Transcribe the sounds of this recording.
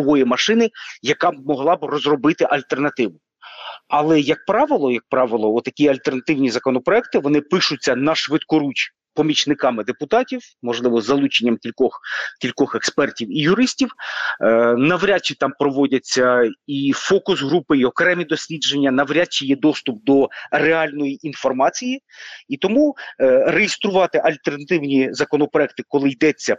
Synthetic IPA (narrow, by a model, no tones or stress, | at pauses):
ɔɦɔjimɐʃɪnɪjɐkɑmɔɦlˠɑbɪrɔzrɔbɪt̪ɪʔɐlʲt̪ernɐt̪ɪʋʊ | ɐlˠɛjɐk̚pɾɑʋɪlˠɔjɐk̚pɾɑʋɪlˠɔɔt̪ːɐkʲiɐlʲt̪ernɐt̪ɪwnʲizɐkɔnɔpɾɔɛk̚t̪ɪʋɔnɪpɪʃʊt͡sʲːɐnɐʃʋɪt̪kɔɾut͡ʃʲ | pɔmʲit͡ʃnɪkɑmɪd̪epʊt̪ɑtʲiw | mɔʒlˠɪʋɔzːɐlˠut͡ʃenʲːɐmkʲilʲkɔxkʲilʲkɔxekspɛrtʲiwijʊɾɪsʲtʲiw | nɐʋɾʲat͡ʃːit̪ɑmpɾɔʋɔdʲɐt͡sʲːɐifɔkʊsɦɾupɪiɔkɾɛmʲid̪ɔsʲlʲid͡ʒenʲːɐnɐʋɾʲat͡ʃːijɛd̪ɔst̪ʊp̚d̪ɔreɑlʲnɔjiʔinfɔrmɑt͡sʲiji | it̪ɔmurejɪst̪ɾʊʋɑt̪ɪʔɐlʲt̪ernɐt̪ɪwnʲizɐkɔnɔpɾɔɛk̚t̪ɪkɔlˠɪjd̪ɛt͡sʲːɐ